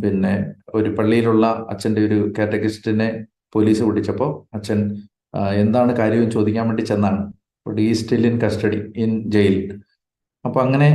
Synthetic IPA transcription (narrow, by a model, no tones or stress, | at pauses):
pinːe̞o̞ɾupɐɭːijiluɭːɐɐ̰t͡ɕːɐnde̞o̞ɾukeːʈːɐkistine̞ | po̞liːsɨkuʈːit͡ɕːɐpːo̞ːɐt͡ɕːɐn | e̞nd̪aːɳɨkaːɾjɐmumt͡ɕo̞ːd̪ikʲːaːnʋeɳɖit͡ɕe̞nːaːɳɨ | pːoɽiːstilinkɐsʈɐɽiind͡ʑejil | ɐpːoːɐŋːɐne̞